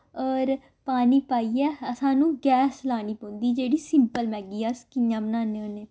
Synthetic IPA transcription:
ɔːɾ | paːniːpaːiːɛːəsãːnũːɡɛːslaːniːpõːnd̪iːd͡ʒeːɽiːsɪmpəlmɛ̃ːɡiːaːskɪjãːbənaːneõːneː

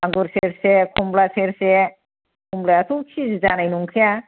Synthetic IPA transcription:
aŋɡuɾseɾsekʰumblaseɾse | kʰumblajat̪ʰut͡ʃʰid͡zd͡ʒanajnuŋkʰija

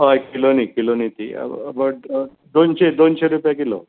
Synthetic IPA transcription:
ɦojkilonikilonit̪ḭbə | d̪onɕed̪onɕeɾupjakilo̰

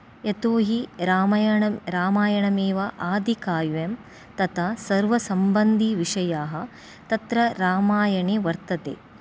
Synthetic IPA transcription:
et̪oːɦiɾaːɾaːmaːjɐɳɐmeːʋɐʔaːd̪ʱikaːjʋem | t̪ɐt̪ʰasɐɾʋɐsɐmbɐnd̪ʱiʋiʂɐjaːɦɐ̆ | t̪ɐt̪ɾɐɾaːmaːjɐɳeːʋɐɾt̪ɐt̪ḛː

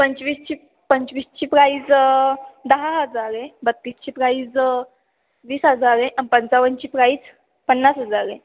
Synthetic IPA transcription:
pəɲt͡ɕʋiːst͡ɕiː | pəɲt͡ɕʋiːst͡ɕiːpɾaiːt͡s | d̪əɦaɦəd͡zaɾebət̪ːiːst͡ɕiːpɾait͡s | ʋiːsɦəd͡zaɾeʔapənt͡saʋənt͡ɕiːpɾait͡s | pənːasɦəd͡zaɾe

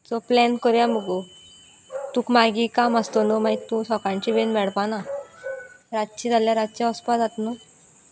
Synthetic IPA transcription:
t͡sɔplɛnkəɾjaməɡo | t̪ũkmaɡikaməst̪onɔmait̪ːũsɔkãɲt͡ɕiʋenmɛɽpana | ɾat̪t͡ɕid͡zaljaɾat̪̚t͡ɕjaɔspad͡zat̪nɔ

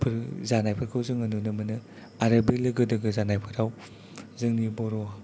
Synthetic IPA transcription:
pʰɯɾzanajpʰɯɾkʰɯwzɯŋɐnunɯmɐnɯ | aɾabelɯɡɯdɐɡɯzanajpʰɯɾaw | zɯŋnibɔɾɔ

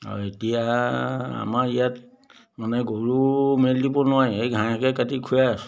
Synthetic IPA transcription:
ɔ̰etija | a̰maɹijat | manɛɡoɹumeldipɔnɔajejɡʱãakɛkatikʰuja

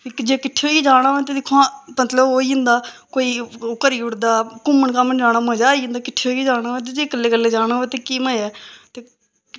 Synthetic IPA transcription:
ed͡ʒeːkɪʈʰːeoːiːd͡ʒaːɽ̃aːẽːt̪eːd̪ɪkʰːoãːmət̪ləboːiːɪ̃nd̪aːkoːiːkəɾiːʊɽd̪aːkʊmːəɳkaːməɳd͡ʒaːɽ̃ãːmə̃ːd͡ʒaːiːɪ̃nd̪aːkɪʈʰːeoːiːd͡ʒaːɽ̃aːoːt̪̬eːd͡ʒeːkəlːeːkəlːeːd͡ʒaːɽaːeːt̪eːkiːməːɛːt̪eː

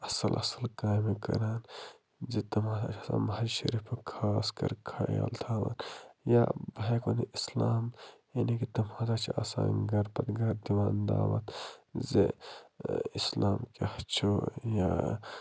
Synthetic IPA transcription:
ɐsɐlʔɐ̰sɐlkaːjmekɐ̰ɾaːn | zet̪ɐmhaːzaːt͡ʃʰasã̰ːmɐɦad͡ʒʃɐ̰ɾipɐkʰaskɐ̰ɾkʰaa̰lt̪ʰaːʋa̰ːnja̰bʱaːkoniislaːm | enikit̪ɐmhãːzaːt͡ʃʰasã̰ːɡɐɾpɐt̪ɡɐɾd̪iʋaːnd̪a̰ːʋɐ̰t̪zḛ | islaːmkeht͡ʃʰoja

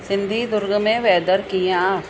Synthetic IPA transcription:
sɪnd̪ʱiːd̪ʊɾɡmẽʋɛːd̪əɾkiãaː

